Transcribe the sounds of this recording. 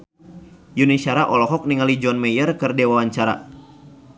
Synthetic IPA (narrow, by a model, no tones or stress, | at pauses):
junisaɾaʔɔlɔɦɔk̚niŋalid͡ʒɔnmejərkɨrdewawaɲt͡ʃaɾa̰